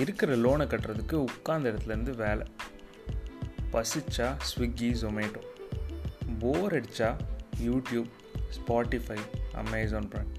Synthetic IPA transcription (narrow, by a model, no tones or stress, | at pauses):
ɪɾɯkːɪɾɐloːnɐkːɐʈːɾɐðɯkːɯʊkːaːnd̪ɐɪɾɐt̪ːɪlɐɾɯnd̪ɯʋeːlɛ̰ | pɐsɯt͡ʃːaːsʋɪɡːisomeːʈõː | boːɾɛɽt͡ʃːaːjuːʈjuːb | spaːʈːɪfɐɪɐ̰mɐːzoːnpɾɐɳɖ